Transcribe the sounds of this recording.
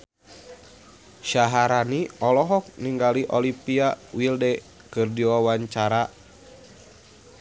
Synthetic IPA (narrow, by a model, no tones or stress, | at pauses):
ʃaɦaɾaniɔlɔɦɔk̚niŋɡaliʔɔlipiawildɛ | kɨrdiwawaɲt͡ʃaɾa